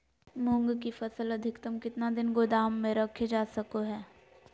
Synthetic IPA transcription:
mʊ̃ŋɡkifɐsəlɐd̪ʱɪkt̪əmkɪt̪nad̪ɪnɡʊd̪aːmːẽɾɐkʰed͡ʒaːsɐkoɦɛː

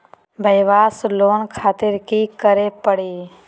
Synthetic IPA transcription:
bʱəɪʋaːsloːnkʰaːt̪ɪɾkikəɾepəɽiː

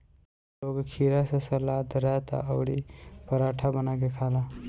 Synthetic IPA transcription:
loɡkʰiɾasəsəlad̪əɾat̪a̰ʔəwɽḭpəɾaʈʰabənakekʰala

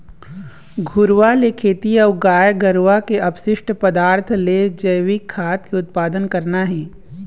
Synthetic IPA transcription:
ɡʱʊɾʋalekʰeːt̪iɔːɡaːjɡəɾʋakeʔɐpʃɪʃʈʰpɐd̪aːɾt̪ʰled͡ʒɐjʋɪkʰːaːt̪̚keʊt̪̚paːd̪ənkɐɾnaɦɛ̃ː

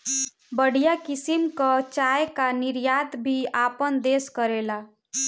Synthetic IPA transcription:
bəɽ̤ijakisimkət͡ʃajkaniɾjat̪bʱiapənd̪eskəɾela

